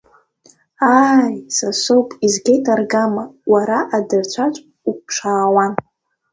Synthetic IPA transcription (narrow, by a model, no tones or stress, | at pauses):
aːjsasopʼizɡʲejtʰʼarɡamawaɾaʔadɨrt͡ɕʷʰat͡ʃʷʼ | uk̚ʷʈ͡ʂʷʰaːwan